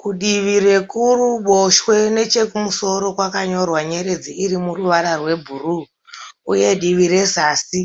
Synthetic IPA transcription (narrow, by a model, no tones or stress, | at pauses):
kuɗiʋire̞kuruɓoʃwe̞ne̞t͡ʃe̞kumuso̞ɾo̞kwakaɲo̞rwaɲeɾe̞d͡ziiɾimuruʋaɾarwe̞bʱuru | uje̞ɗiʋiɾe̞saːsi